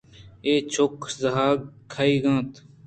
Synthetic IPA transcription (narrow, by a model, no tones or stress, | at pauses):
eːt͡ʃʰokzɐɦaːkʰːaːiːɡãːt̪